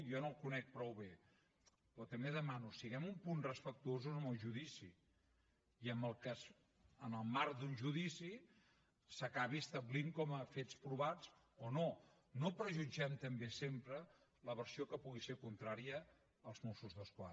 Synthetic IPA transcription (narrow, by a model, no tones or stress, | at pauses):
jɔnolˠkunɛk̚pɾɔwβe | pɾɔt̪əmbeðəmanusiɣɛmumpunrəspək̚t̪uozuəməlˠʒuðisi | iəmbəlˠkas | ənəlˠmaɾkd̪unʲʒuðisi | səkaβiəst̪əβliŋkɔməfet͡spɾuβat͡s | ono | nopɾəʒud͡ʒɛmt̪əmbesempɾə | ləβəɾsiokəpuɣisekunt̪ɾaɾiəː | lˠzmusuzðəskwa̰